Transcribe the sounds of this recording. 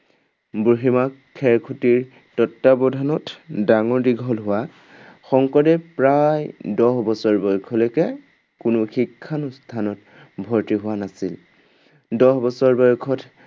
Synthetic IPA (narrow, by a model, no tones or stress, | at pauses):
buɦimakʰːɛɹkʰutiɹ | tɔtːabɔdʱanɔtdaŋɔɹdiɡʱɔlɦʊwa | xɔŋkɔdɛpɹajdɔɦbɔsɔɹbɔjkʰɔlokɛ | kʊnʊxikʰːanʊstʰanɔt | bʱɔɹtiɦʊwanasil | dɔɦbɔsɔɹbɔjkʰɔt